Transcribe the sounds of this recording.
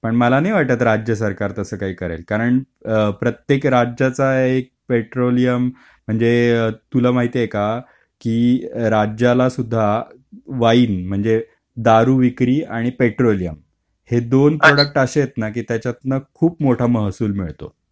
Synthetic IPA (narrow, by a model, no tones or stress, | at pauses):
pəɳməlaniːʋaʈ̚t̪at̪̬ɾad͡ʑjəsəɾkaɾt̪əsəːkaɦiːkəɾa̰lkaɾəɳ | pɾət̪jekɾad͡ʑjat͡saek̚peʈɾolijəm | m̤əɳd͡zet̪ulamaɦit̪ejeka | kiːɾad͡ʑjalasud̪ʱːa | ʋaiːnm̤əɳd͡ze | d̪aɾuːʋikɾiːaɽ̃ipeʈɾolijəm | hed̪onpɾoɽək̚ʈəɕejet̪nak̬iːt̪jat͡ɕjat̪nəkʰuːpmoʈʰaməɦsuːlmiɭt̪o̰